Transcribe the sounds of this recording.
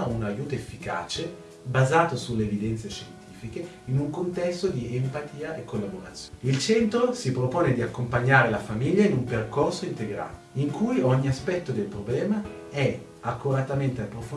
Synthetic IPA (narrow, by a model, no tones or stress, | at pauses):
unajuːt̪oefːika̰ːt͡ʃe | bazaːt̪osulːeːvid̪ɛnt̪seʃent̪iːfike | inuŋkont̪ɛst̪od̪iempat̪iːaekːolːaboɾat̪sːjilt͡ʃɛnt̪ɾosipɾopoːned̪iakːompaɲːaːɾelafamiʎːainumperkorsoint̪eɡɾa̰ːt̪oiŋkʰujɔɲːiaspɛt̪ːod̪elpɾoblɛːma | ɛ | akːuɾat̪ament̪eapːɾof